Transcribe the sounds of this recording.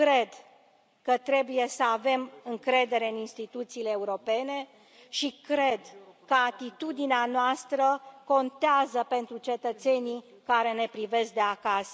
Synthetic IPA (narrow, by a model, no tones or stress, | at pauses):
kɾe̞d̪ | kət̪ɾe̞buje̞səave̞mɨŋkɾe̞d̪e̞ɾe̞ɨninst̪it̪ut̪siːle̞ːuɾo̞pe̞ne̞ | ʃikɾe̞d̪kəat̪it̪ud̪ineanoast̪ɾəko̞nt̪eazəpe̞nt̪ɾut͡ʃe̞t̪ət̪se̞ni | kaɾe̞ne̞pɾive̞sk̚d̪e̞akas